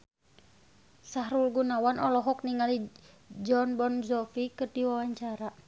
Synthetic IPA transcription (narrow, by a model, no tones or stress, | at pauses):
saɦɾulɡunawanʔɔlɔɦɔk̚niŋali | d͡ʒɔnbɔnzɔfikɨrdiwawaɲt͡ʃaɾa